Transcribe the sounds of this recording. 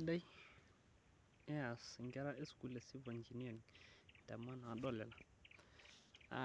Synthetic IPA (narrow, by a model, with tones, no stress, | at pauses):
da˦j | e˦a˨sŋɡɛ˦ɾa˦ʔe˦sku˨le˨si˦va˨nd͡ʒi˨ni˦a˨n˨tɛ˨ma˦n˨a˨ɗo˦le˨la˨ | a̰˨